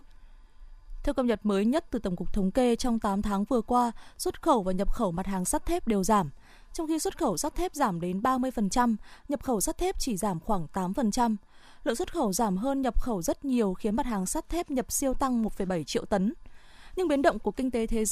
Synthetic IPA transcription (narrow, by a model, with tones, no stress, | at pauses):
t̪ʰɛ˧wkə˧w̚ɲə˨˩t̚məː˨˦jɲə˦˥t̚t̪ɨ˨˩t̪ə˧˩wŋ͡mkʊ˨˩k͡p̚t̪ʰə˨˦wŋ͡mke˧t͡ɕɔ˧wŋ͡mt̪aː˨˦mt̪ʰaː˨˦ŋvɨ˨˩əkwaː˧swə˦˥t̚xə˧˩wvaː˨˩ɲə˨˩p̚xə˧˩wma˨˩t̚haː˨˩ŋsaː˦˥t̚t̪ʰɛ˦˥p̚ɗe˨˩wzaː˧˩m | t͡ɕɔ˧wŋ͡mxi˧swə˦˥t̚xə˧˩wsa˦˥t̚t̪ʰɛ˦˥p̚zaː˧˩mɗe˨˦nɓaː˧mɨ˧əjfə˨˩nt͡ɕa˧mɲə˨˩p̚xə˧˩wsa˦˥t̚t̪ʰɛ˦˥p̚t͡ɕi˧˩zaː˧˩mxwaː˧˩ŋt̪aː˨˦mfə˨˩nt͡ɕa˧m | lə̰˧˨nswə˦˥t̚xə˧˩wzaː˧˩mɦəː˧nɲə˨˩p̚xə˧˩wzə˦˥t̚ɲi˨˩əwxi˨˦ənma˨˩t̚haː˨˩ŋsaː˦˥t̚t̪ʰɛ˦˥p̚ɲə˨˩p̚si˧əwt̪a˧ŋmo˨˩fə˧˨˩jɓa˧˩jt͡ɕḭ˧˨əwt̪ə˨˦n | ɲɨ˧ŋɓi˨˦ənɗə̰˧˨ŋ͡mku˧˩əkï˧ŋ̟t̪e˨˦t̪ʰe˨˦